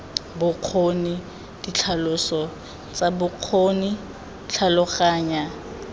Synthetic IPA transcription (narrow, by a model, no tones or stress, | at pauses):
bʊq͡χʰoni | dit͡ɬʰalʊsɔ | t͡sʼabʊq͡χʰoni | t͡ɬʰalʊχaːɲa